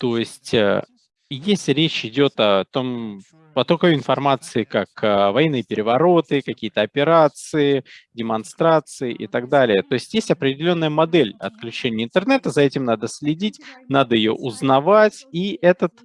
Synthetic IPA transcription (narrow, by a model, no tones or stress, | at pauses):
t̪o̞jɪsʲtʲə̰ | jesʲtʲɾʲet͡ɕɪdʲot̪ɐt̪om | pɐt̪okɐjoɪnfɐrmat̪sɨɪkakəvɐjɛnːɨjəpʲɪɾʲɪvɐɾo̞t̪ɨkɐkʲijət̪əɐpʲɪɾat̪sɨɪdʲɪmɐnst̪ɾat̪sɨɪʔɪ̰t̪aɡd̪alʲɪjət̪o̞ɪsʲtʲjesʲtʲɐpɾʲɪdʲɪlʲo̞nːəjəmɐd̪ɛlʲɐ̰t̪̚klʲʉt͡ɕenʲɪːnt̪ɨrnɛt̪əzɐɛtʲɪmnad̪əsʲlʲɪdʲitʲnad̪əjɪjo̞̰ʔʊznɐvatʲiʔɛt̪ət̪